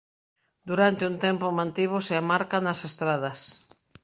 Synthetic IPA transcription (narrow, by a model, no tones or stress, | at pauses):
d̪uɾant̪ɪunt̪ɛmpomãnt̪iβ̞ʊseamaɾkanɐsest̪ɾað̞ɐs